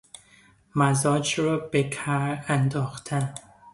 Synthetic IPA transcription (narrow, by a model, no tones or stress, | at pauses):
mæzɒːd͡ʒɾɒːbekʰaɾænd̪ɒːxt̪ʰæn